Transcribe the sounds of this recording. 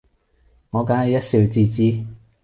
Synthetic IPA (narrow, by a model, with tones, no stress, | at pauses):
ŋɔː˨˧kaː˨˥nɐ˨˧jɐ˥t̚siː˧wt͡siː˧t͡siː˥˧